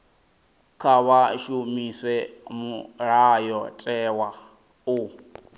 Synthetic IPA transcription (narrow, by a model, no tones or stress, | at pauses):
kʰaβaʃumiswɛmuɺajɔtʼɛwa | u